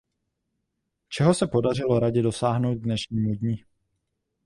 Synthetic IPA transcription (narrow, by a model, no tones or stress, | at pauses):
t͡ʃɛɦo̞sɛpo̞dar̝ɪlo̞ɾaɟɪdo̞saːɦnowt̪̚dnɛʃɲiːmudɲɪ